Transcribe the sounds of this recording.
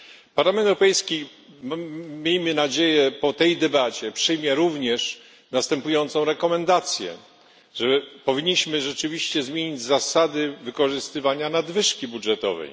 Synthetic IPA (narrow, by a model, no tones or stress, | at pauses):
paɾlamɛnt̪wɾɔpɛjskʲi | mmʲjejmɘnad͡ʑejɛpɔt̪ɛjd̪ɛbat͡ɕɛpʂɘjmʲjɛɾuvɲɛʂ | nast̪ɛmpujɔnt̪sɔ̃w̃ɾɛkɔmɛnd̪at̪sʲjɛ̰ | ʐɛpɔvʲiɲːiɕmɘʐɛt͡ʂɘvʲiɕt͡ɕɛzmʲjeɲid͡ʑzasad̪ɘvɘkɔʐɘst̪ɘvaɲanad̪vɘʂkʲibudʐɛt̪ɔ̰vɛ̰j